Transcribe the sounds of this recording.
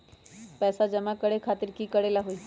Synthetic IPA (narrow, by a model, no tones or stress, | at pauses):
pɛːsad͡ʒɐmakəɽekʰaːt̪ɪɾkiːkəɽelaɦuiː